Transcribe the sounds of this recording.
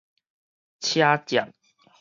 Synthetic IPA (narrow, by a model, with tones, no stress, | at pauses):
t͡ɕʰja˦t͡ɕja̰˨˩n